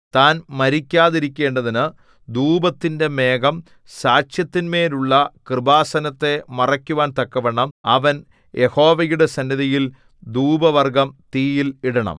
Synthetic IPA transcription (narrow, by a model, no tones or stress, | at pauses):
t̪aːnmɐɾikʲːaːðiɾikʲːe̞ːɳɖɐðinɨ | d̪uːbɐt̪ːinde̞me̞ːɡɐm | saːt͡ɕjɐt̪ːinme̞ːluɭːɐkrɨbaːsɐnɐt̪ːe̞mɐrɐkʲːuʋaːnt̪ɐkːɐʋeɳɐmɐʋɐn | jʔe̞ho̞ːʋɐjuɽe̞sɐnːiðɐjil | d̪uːbɐʋɐrɡɐmt̪iːjiliɽɐɳɐ̰m